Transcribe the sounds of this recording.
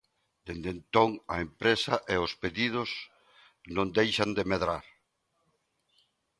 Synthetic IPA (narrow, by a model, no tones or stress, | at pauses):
d̪̥end̪ent̪oŋɐempɾesɐʔeʊspeðið̞ʊs | nõŋd̪ejʃɐnd̪emeðɾaɾ